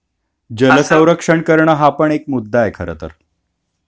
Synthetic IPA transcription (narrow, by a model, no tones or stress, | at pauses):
d͡ʑələsə̃w̃ɾəkʂəɳkəɾɳəɦapəɳekmud̪ʱːaekʰə̰ɾə̰t̪ə̰ɾ